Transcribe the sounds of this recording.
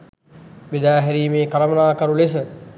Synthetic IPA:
bed̪aːɦɛɾiːmeːkɐɾɐmɐnaːkɐɾules̬ə

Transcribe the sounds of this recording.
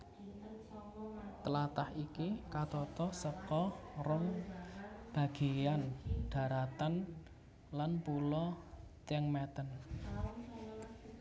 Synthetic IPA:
t̪əlat̪ahikikat̪ɔt̪ɔsəkɔrʊŋ | b̥ä̤ɡ̥ejanɖ̥ä̤ɾat̪an | lanpulɔt̪ɛŋmɛt̪ən

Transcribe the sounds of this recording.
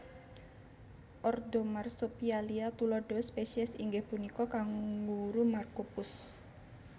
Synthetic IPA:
ʔɔrd̪ɔmarsopialiat̪ulɔɖ̥ɔspeʃiɛsḭŋɡɪhpunikɔkaŋɡuɾumarkopʊs

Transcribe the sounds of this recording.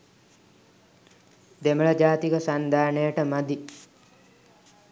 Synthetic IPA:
d̪eməɭəd͡ʒaːt̪ikəsand̪ʱaːɳəjəʈəmad̪i

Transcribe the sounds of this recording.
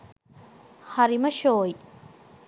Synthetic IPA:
hɐɾimɐʃoːj

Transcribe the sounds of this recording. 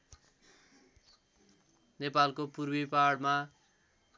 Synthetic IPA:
nepalkopurbipaɽma

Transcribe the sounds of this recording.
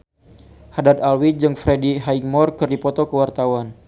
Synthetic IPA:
hadad̪alwid͡ʒɨŋfɾediɦaiŋmɔrkɨrdipɔt̪ɔkəwart̪awan

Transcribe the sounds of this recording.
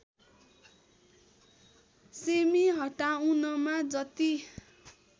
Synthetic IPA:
semiɦʌʈaunʌmad͡zʌt̪i

